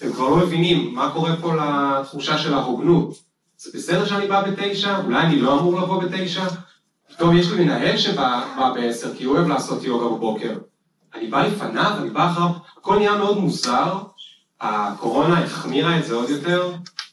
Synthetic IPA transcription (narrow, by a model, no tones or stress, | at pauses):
t̪emkvaʁlo̞me̞vinimːako̞ʁe̞po̞lat̪χuʃaʃe̞laʁoɡnut | z̥ebesed̪e̞ʁʃeanibabe̞te̞jʃaulajanilo̞amuʁlapo̞bete̞jʃa | pi̥t̪o̞mjeʃlimenaɦe̞lʃebababeese̞ʁkioevlaːso̞tjo̞ɡababo̞ke̞ʁ | anibalefanavanibaχavako̞lnijame̞o̞d̪muzaʁ | a̰kʰo̞ʁo̞naiχmiʁaetzeo̞d̪jo̞te̞ʁ